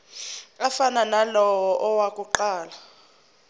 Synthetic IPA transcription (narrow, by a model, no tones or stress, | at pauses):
afananalɔwɔʔɔwakʼuǃaːla